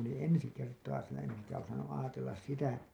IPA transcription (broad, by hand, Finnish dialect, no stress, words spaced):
olin ensi kertɑː siːnæ en eŋkæ osɑnːuʔ ʔɑːtelːɑs sitæ